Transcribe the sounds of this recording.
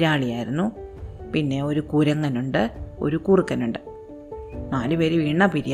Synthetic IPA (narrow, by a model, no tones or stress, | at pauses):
ɾaːɭijaːjiɾunːupinːe̞o̞ɾukuɾɐŋːɐnuɳɖɨo̞̰ɾukuːrɨkːɐnuɳɖɨ | naːlɨʋɐɾʋiːɳːɐpiɾij